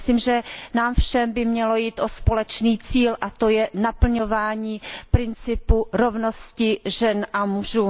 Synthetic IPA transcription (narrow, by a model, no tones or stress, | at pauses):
siːmʒɛnaːmfʃɛmbɪmɲɛlo̞jiːt̪ʔo̞spo̞lɛt͡ʃniːt͡siːlʔat̪o̞jɛnapl̩ɲo̞vaːɲiːpɾɪnt͡sɪpuɾo̞vno̞scɪʒɛnʔamuʒuː